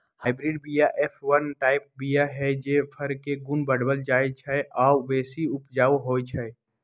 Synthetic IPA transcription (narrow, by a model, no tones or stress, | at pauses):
haːɪbɾɪɖbijaʔeːpʰʋənʈaːɪp̚bijaɦɛd͡ʒepʰəɾkeɡʊnbəɽbəld͡ʒaːjt͡ʃʰɛʔaːbeːsiʊpd͡ʒaːuɦoːjt͡ʃʰɛɛ